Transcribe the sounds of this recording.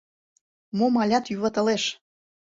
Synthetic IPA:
momɑlʲɑt̪jyβɑt̪ə̆leʃ

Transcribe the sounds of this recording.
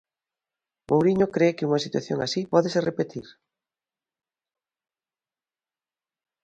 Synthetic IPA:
mʔowɾiɲokɾekɪuŋasit̪wa̰θjo̰ŋasipɔðeserepet̪iɾ

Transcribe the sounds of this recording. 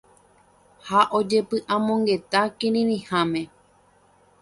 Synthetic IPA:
haʔo̞d͡ʒe̞pɨʔãmõ̞ŋɡe̞t̪akĩɾĩɾĩhãmẽ̞

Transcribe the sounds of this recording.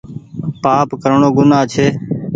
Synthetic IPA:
paːpkəɾɳoːɡʊnaːt͡ʃʰeː

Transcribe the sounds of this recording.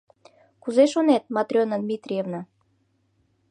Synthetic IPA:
kuzeʃonet̪̚mɑt̪ɾʲonad̪mʲit̪rʲijevna

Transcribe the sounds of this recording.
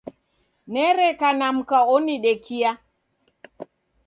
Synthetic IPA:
nɛɾɛkanam̩kaɔniɗɛkia

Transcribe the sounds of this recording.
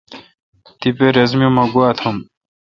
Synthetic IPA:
t̪ipeɾezmjomɐɡuat̪ʰɐm

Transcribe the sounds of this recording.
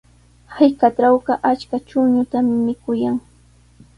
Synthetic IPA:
hajkaʈ͡ʂawɢɑʔat͡ʃkat͡ʃʊŋɲʊt̪ammɪkʊjaŋ

